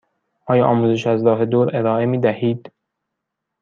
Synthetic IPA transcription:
ʔɒːjɒːʔɒːmuːzeʃæzɾɒːɦe̞d̪oːɾe̞ɾɒːe̞miːd̪æhiːd̪̥

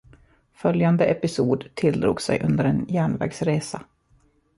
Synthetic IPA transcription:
fœljand̪əɛpɪsuːd̪t̪ʰɪld̪ɾṵːɡsɛ̰jʔɵnd̪əɾɛnjæːɳvɛ̰ːɡsɾeːsa

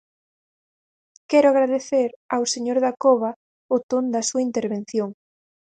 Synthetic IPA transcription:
kɛɾʊaɣ̞ɾaðeθeɾawseɲoɾðakoβɐ | ʊt̪ond̪ɐsuaint̪eɾβen̟θjoŋ

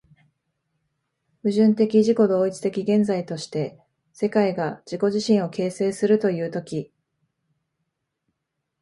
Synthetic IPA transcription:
ɸɯ̟ʑɨ̃nt̪e̞kʲiʑiko̞d̪o̞ːit͡sɨ̥t̪e̞kʲiɡẽ̞nd͡zait̪o̞ɕi̥t̪e̞ | se̞kaiɡad͡ʑiko̞ʑiɕĩɰ̃o̞ke̞ːse̞ːsɨɾɯ̟t̪o̞jɯ̟ːt̪o̞kʲi

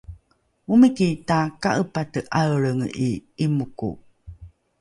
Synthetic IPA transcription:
mumikitaka̰ʔəpatəʔaɭəŋiimukṵ

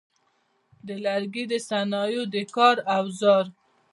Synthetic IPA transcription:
d̪əlaɾɡid̪əsanɑjod̪əkɑɾawzɑɾ

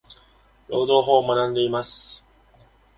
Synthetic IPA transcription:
ɾo̞ːd̪o̞ːɦo̞ːmanãnd̪e̞imasɨ̥

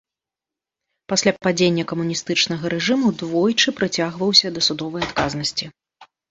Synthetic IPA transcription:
pasʲlʲapad͡zʲenʲːɐkɐmunʲist̪ɨt͡ʂnɐɣɐɾɛʐɨmud̪vɔjt͡ʂɨpɾɨt͡sʲaɣvɐwsʲɐd̪ɐsud̪ɔvɐjat̪kaznɐsʲt͡sʲi

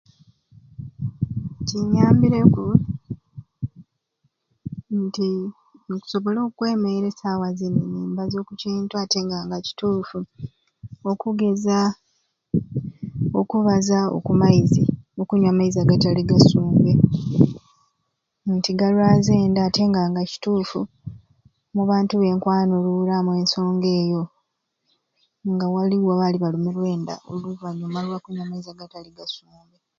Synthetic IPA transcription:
ciɲaːmbiɾe̞ku | nti | ŋku̥so̞βo̞lo̞ːkwe̞ːme̞ɾe̞sawaziniɲiːmbazo̞ːkuciːntuate̞ːŋɡaːŋɡaci̥tuːfu | o̞kuɡe̞za | o̞kuβazao̰kumaiziokuɲwamaizaɡataliɡasuːmbe | ntiɡalwaːzeːndaːte̞ŋɡaːŋɡaci̥tuːfu | muβaːntuβe̞ːŋkwaːnolulamwe̞ːnso̞ːŋɡe̞ːjo̞ | ŋɡawaliwaβaliβalumulwe̞ːnda̰oluvaɲːomalwakuɲwamaizaɡataliɡasuːmbe

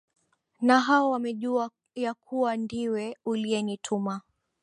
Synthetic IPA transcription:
naɦaɔwamɛʄua | jakʰuwandiwɛuliɛnitʰuma

